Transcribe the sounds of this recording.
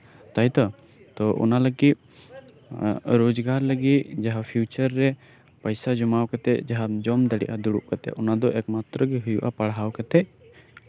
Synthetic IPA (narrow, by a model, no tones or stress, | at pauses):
t̪ajt̪ɔ | t̪ɔʔɔ̰naləɡiʔ | ɾod͡ʒɡaɾləɡit̪d͡ʒaɦapʰjut͡ʃəɾːɛ | pəjsad͡ʒɔmawkat̪ɛ̰d͡ʒaɦad͡ʒɔmd̪aɽɛ̰ʔad̪uɽuʔkat̪ɛ̰ʔɔnad̪ɔʔɛkmat̪ɾəɡɛɦujuʔapaɽɦawkat̪ɛʔ